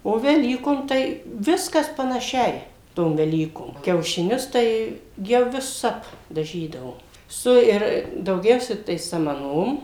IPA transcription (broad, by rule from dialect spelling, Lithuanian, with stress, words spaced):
oː ʋʲɛˈlʲiːkoːm tɐɪ ˈʋʲɪskɐs pɐnɐˈʃʲɛɪ ˈtoːm ʋʲɛˈlʲiːkoːm kʲɛʊʃʲɪˈnʲʊs ˈtɐɪ ˈjɛʊ ʋʲɪˈsɐp dɐˈʒʲiːdɐʋoː ˈsʊ ɪr dɐʊˈɡʲɛʊsʲɛ tɐɪ sɐmɐˈnoːm